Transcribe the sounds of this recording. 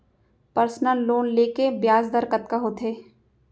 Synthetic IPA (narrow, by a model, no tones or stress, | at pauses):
pəɾsnəlːoːnleːkebjaːzd̪əɾkət̪kaɦoːt̪ʰɦeː